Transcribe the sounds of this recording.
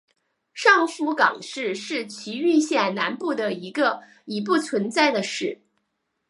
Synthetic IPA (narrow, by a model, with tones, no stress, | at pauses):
ʂɑ˥˩ŋfu˧˥kɑ̰˨˩ŋʂɻ̩˥˧ʂɻ̩˥˩t͡ɕʰi˧˥y˥˧ɕjɛ˥˩nna˧˥npu˥˩d̪ə˩i˧˥ɡə˧ | i˨˩p̬u˥˩t͡sʰwə˧˥nt͡sa˥˩ɪd̪ə˩ʂɻ̩˥˩